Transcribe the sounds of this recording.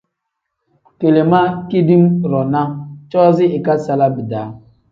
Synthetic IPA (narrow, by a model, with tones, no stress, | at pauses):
ke˨le˨ma˦ki˦di˦mɾɔ˨na˦t͡ʃɔ˦zɪ˦ɪ˨ka˦sa˦la˦bi˨da˨˦